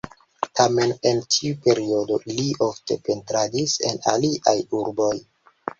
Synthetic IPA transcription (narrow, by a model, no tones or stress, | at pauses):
tʰame̞ne̞ntʰiupe̞ɾio̞do̞liʔo̞fte̞pe̞ntɾadise̞̰na̰liʔajuɾbo̞j